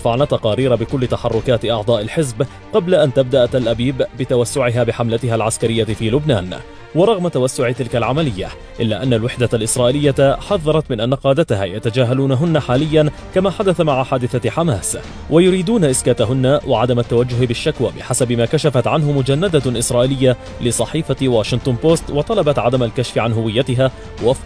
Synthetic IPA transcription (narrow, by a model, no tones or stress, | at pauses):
faʕnat̪ːɑqɑːɾiːɾabɪkʊlːɪt̪aħɑrˤːʊkaːt̪ɪʔɑʕd̪ˤɑːʔalħɪzb | qɑblaʔant̪abd̪aʔat̪alʔabiːbbɪt̪awasːʊʕɪɦaːbɪħamlat̪ɪɦalʕaskaɾɪjːafiːlʊbnaːn | wɑɾˤɑɣmat̪awasːʊʕɪt̪ɪlkalʕamalɪjːa̰ | ʔɪlːaːʔanːalwɪħd̪alʔɪsɾˤɑːʔɪlɪjːaħɑðˤːɑɾˤɑt̪mɪnʔanːaqɑːd̪at̪aɦa̰ːjat̪ad͡ʒaːɦaluːnaɦʊnːaħaːlɪjːankamaːħad̪aθamaʕaħaːd̪ɪθaħamaːs | wʔajʊɾiːd̪uːnaʔɪskaːt̪aɦʊnːawʔaʕad̪amat̪ːawad͡ʒːʊhɪbɪʃːakwaːbɪħasabɪmaːkaʃafat̪ʕanɦʊmʊd͡ʒanːad̪aʔɪsɾˤɑːʔɪlɪjːa | lɪsˤɑħiːfawaːʃɪnt̪ˤʊnpoːst̪wɑt̪ˤɑlɑbɑt̪ʕad̪amalkaʃfɪʕanɦʊwɪjːat̪ɪɦaː | waf